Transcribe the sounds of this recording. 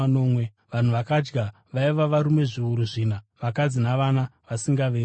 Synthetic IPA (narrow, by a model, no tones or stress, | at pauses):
noːmwe | ʋan̤uʋakad͡ʒɡa | ʋaiʋaʋaɾume̞ʐiuɾuʐiːnaʋakad͡zinaʋanaʋasiŋɡaʋeː